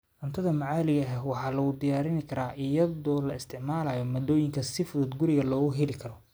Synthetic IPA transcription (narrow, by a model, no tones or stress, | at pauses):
ʔɐnt̪ʰɐðɐmɑʕɑːlɪɣɐɦɛwɑħɑːlɐɣʊd̪ɪjaːɾɪnɪkʰɐɾaːʔɪjɐðɔːlɐɪst̪ʰɪʕmaːlɐːjɔmɔd̪ɔːjɪŋkʰɐsɪfʊðuːd̪ɡʊɾɪɣɐlɔːɣʊɦɛlɪkʰɐɾɔ